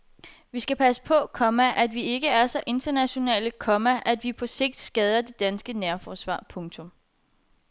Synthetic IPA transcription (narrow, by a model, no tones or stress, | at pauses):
ʋisɡ̥æpʰæsə̥pʰɒ̽kʰɒ̽mæʔæd̥ʋie̝ɡ̥əæɐsɒ̽ʔe̝nd̥ɐnæɕo̝nɛ̰ːləkʰɒ̽mæʔæd̥ʋipʰɒ̽se̝ɡ̥̚d̥sɡ̥ɛð̞ˠɐd̥e̝d̥ænsɡ̥ənæɐfɒːsʋɑ̰̈ːpʰɔ̽ŋt͡sʰɔ̽m